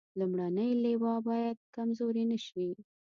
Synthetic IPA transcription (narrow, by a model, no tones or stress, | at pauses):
lumɽanəjlewɑbɑjad̪̚kamzoɾinəʃwi